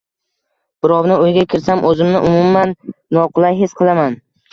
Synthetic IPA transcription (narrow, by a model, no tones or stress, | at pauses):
b̥ɪɾɒwnɪojɡʲakʲʰɪɾsamʔɵzɪmnɪʔʊmʊmːanːɒqʰʊlˠajɦesqʰɨlˠaman